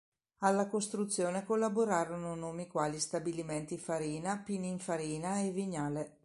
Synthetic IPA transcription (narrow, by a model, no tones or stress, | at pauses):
alːakost̪ɾut̪sːjoːnekolːaboɾaːɾononoːmikwaːlist̪abiliment̪ifaɾiːnapiniːɱfaɾiːnaeviɲːaːle